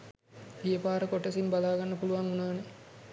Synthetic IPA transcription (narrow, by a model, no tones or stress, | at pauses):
ʋijəpaːɾəkoʈesimbalaːɡanːəpuluʋaŋunaːne